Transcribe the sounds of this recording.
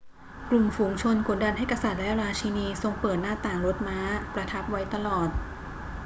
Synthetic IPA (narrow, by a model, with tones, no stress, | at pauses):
klu˨˩mfuː˩˦ŋt͡ɕʰo˧nku˩˦nda˧nɦa˥˩jka˧sa˨˩t̪̚lɛ˦˥ɾaː˧t͡ɕʰiː˧niː˧so˧ŋpɤː˨˩t̪̚naː˥˩t̪aː˨˩ŋɾo˦˥t̪̚maː˦˥pɾa˧t̪ʰa˦˥p̚wa˦˥jt̪a˧lɔː˨˩t̪̚